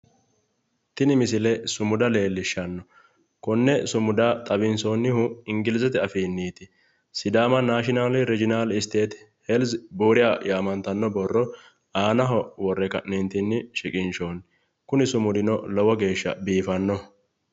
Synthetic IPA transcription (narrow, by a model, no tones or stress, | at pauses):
t̪ɪnɪmɪs̬ɪlɛsʊmʊd̪ɐle̞ːlːɪʃːɐnːɔ | kʊnːɛsʊmʊd̪at̪ʼɐbɪnsoːnːɪhʊɪŋɡɪlɪzɛt̪ɛɐfiːnːiːt̪ɪ | sɪd̪aːmɐnaːʃɪnaːlɪɾɛd͡ʒɪnaːlɪst̪e̞ːt̪ | hɛlsbuːɾɪjajaːmɐnt̪ɐnːɔbɔrːɔ | aːnɐɦɔwɔrːɛkɐ̰ʔnɛnt̪ɪnːɪʃɪkʼɪnʃoːn | kʊnɪsʊmʊd̪ɪnɔlɔwɔɡe̞ːʃːɐ̰biːfɐnːɔ